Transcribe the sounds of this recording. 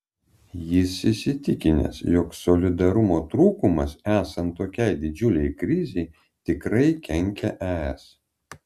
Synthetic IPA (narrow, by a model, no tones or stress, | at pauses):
jɪsɪsʲɪt̪ʲɪkʲɪnʲɛ̰sjoksɔlʲɪd̪ɐɾʊmoːt̪ɾuːkʊmɐsæːsɐnt̪ːoːkʲɛɪd̪ʲɪd͡ʒʲʊlʲɛɪkɾʲɪzʲɛɪ | t̪ʲɪkɾɐɪkʲɛŋʲkʲɛʔæɛs